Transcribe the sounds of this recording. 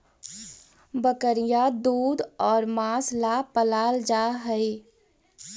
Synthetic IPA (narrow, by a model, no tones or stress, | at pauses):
bəkəɾijad̪uːd̪ɔːɾmaslapəlald͡ʒaɦəɪ